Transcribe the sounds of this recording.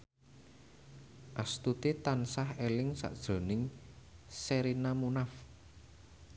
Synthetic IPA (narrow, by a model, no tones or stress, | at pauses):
ʔast̪ut̪it̪ansahelɪŋsa̰ʔd̥ʒ̥o̤nɪŋ | seɾinamunaf